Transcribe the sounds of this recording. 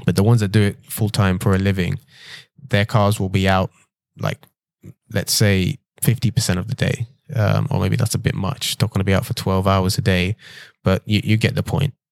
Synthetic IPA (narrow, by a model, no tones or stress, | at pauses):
b̥ʌt̪̚ðəwʌ̃nzðɨt̚d̥ɨɪt̚fʊlˠtʰãɪ̃ɱfə˞əlɪvɪ̃ŋ | ðəkʰɑɹzwɪlˠbiaʊt̚ | lʔa̰ɪk̚ | lɨ̰tseɪ | fɪftipə˞sɛ̃ntʌvðədḛɪ | ʌ̰̃mʔə̰meɪbiðæ̰tsəbɪ̰t̚mʌ̰t͡ʃnəʔ̚ɡ̥ʌnəbiaʊtfətʰw̥ɛlˠvaʊəzədeɪb̥ʌʔjɨjʔɨɡɛʔ̪̚ðəpʰɔ̃ɪ̃nʔ̚